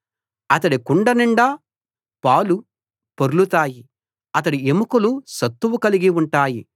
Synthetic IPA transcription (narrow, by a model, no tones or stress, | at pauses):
ɐt̪̬ɐɽikuɳɖɐniɳɖaː | paːwlu | poɾulut̪aːji | ɐt̪̬ɐɽiemukulusɐt̪ːuʋukɐliɡiuɳʈaːji